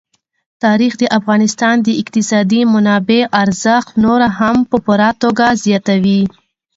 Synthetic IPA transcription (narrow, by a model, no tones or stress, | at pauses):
t̪ɑɾixd̪əʔafɣɑnɪst̪ɑnd̪əɪqt̪ɪsɑd̪imʊnɑbeʔaɾzəxnoɾaɦampəpuɾat̪oɡazjɑt̪awi